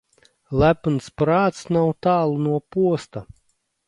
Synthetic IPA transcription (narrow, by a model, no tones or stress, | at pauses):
lˠæpnspɾaːt̪snawt̪aːlˠnuɔpuɔst̪a